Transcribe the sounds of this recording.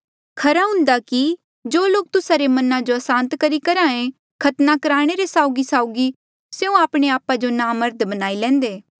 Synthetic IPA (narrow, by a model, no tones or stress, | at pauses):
kʰɐɾaɦʊ̃nd̪aki | d͡ʒoːloːk̚t̪ʊsaɾemɐnãd͡ʒoɐsãːnt̪kɐɾikɐɾãːẽ | kʰɐt̪nakɐɾaːɽ̃eɾesaːʊɡisaːʊɡi | seũaːpɽ̃eaːpad͡ʒonaːmɐɾd̪bɐnaːilɛ̃ːnd̪eː